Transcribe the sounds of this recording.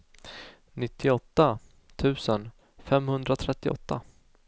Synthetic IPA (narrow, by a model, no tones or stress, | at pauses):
nɪt̪ʰːɪɔt̪ːa | t̪ʰʉ̟ːsən | fɛmhɵnd̪ɾat̪ʰɾɛt̪ːɪʔɔ̰t̪ːa̰